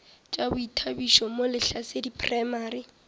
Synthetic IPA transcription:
t͡ʃʼabʊitʰabiʃɔmolɪɬasedipʰʼrajmaːɾi

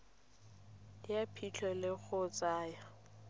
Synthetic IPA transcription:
ɪjapʰit͡ɬʰɔlɪk͡xʰʊt͡sʼaːjɔ

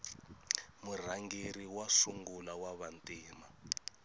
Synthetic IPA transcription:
mur̤aŋɡeɾiwasuŋɡulawaβantʼiːma

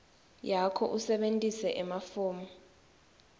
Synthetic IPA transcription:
jakʰɔ̰ʔusɛɓentʼisɛʔɛmafuːmɔ

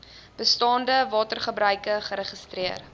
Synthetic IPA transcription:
b̥əstɑːndəvɑːtərχəbɾœɥkəχəɾəχəstriər

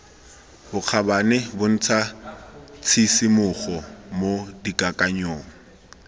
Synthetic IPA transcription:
bʊq͡χʰabanɪbʊn̩t͡sʰa | t͡sʰisimʊχɔmodikʼakʼaɲoːŋ̩

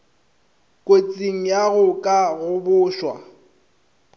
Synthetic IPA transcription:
kʼot͡sʼiŋ̩jaɣʊkʼaɣʊbʊːʃwa̰

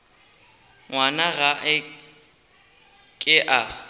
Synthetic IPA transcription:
ŋwanaɣaʔɪ | kʼɪʔa

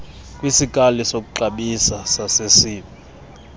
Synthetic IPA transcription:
kʼwisikʼalisok̬ʼuǃaɓisasasesiːɓa

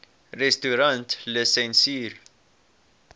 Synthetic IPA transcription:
ɾɛst̪uɾɐnt̪lesɛnsiːɾ

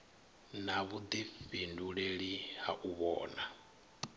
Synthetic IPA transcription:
naβud̪ifinduɺeɺihaʔuβɔːna

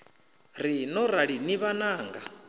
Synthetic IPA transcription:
ɾinɔɾaɺiniβanaːŋɡa

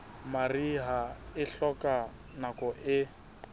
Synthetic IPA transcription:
mariɦaɪɬɔkʼa | nakʼɔʔɪ

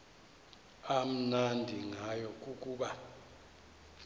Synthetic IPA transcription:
am̩nandʱiŋajɔk̬ʼuk̬ʼuːɓa

